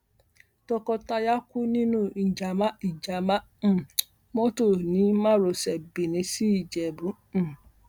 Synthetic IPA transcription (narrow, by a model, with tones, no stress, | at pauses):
tɔ˦kɔ˨ta˦ja˦kʊ˦nĩ˦nũ˦˨n̩˨d͡ʒa˨ma˦i˨d͡ʒa˨ma˦ | m̩˨ | mɔ˦to˦˨nĩ˦ma˦ɾo˨sɛ˨bi˨nĩ˨si˦˨d͡ʒe˨bɾu˦ | m̩˨